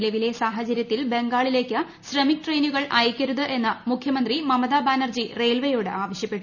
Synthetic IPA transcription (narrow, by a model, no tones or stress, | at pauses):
lɐʋile̞saːɦɐt͡ɕɐɾjɐt̪ːilbe̞ŋɡaːɭile̞ːkːɨ | ɕrɐmik̚ʈre̞jnuɣɐɭɐjkʲːɐɾuðɨʔe̞nːɐmukʰjɐmɐnd̪rimɐmɐðaːbaːnɐrd͡ʑire̞ːlʋɐjo̞ːɽɨʔaːʋɐɕjɐpːeʈːu